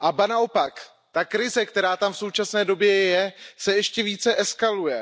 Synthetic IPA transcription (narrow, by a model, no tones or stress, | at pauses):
ʔabanao̞pak | t̪akɾɪzɛkt̪ɛɾaːt̪amfso̞wt͡ʃasnɛːdo̞bjɛjɛsɛjɛʃcɛviːt͡sɛʔɛskalujɛ